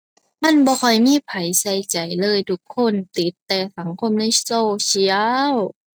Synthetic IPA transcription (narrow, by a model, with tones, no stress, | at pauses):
ma˧˥˨nbɔː˧kʰɔ˧˩jmiː˧˥˨pʰa˨˦jsa˧˩jt͡ɕa˨˩jlɤː˧˥˨jt̪ʰu˧˦˥kʰːo˧˥˨nt̪i˨˦t̪ːɛː˨˩sa˩˦ŋkʰo˧˥˨mna˧˥˨jsoː˧˩si˧a˧˨w